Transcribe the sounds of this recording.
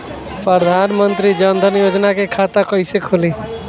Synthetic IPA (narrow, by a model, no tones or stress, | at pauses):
pɾəd̪ʱaːnmənt̪ɾid͡ʒənd̪ʱənjod͡ʒnakekʰat̪akəɪsekʰoli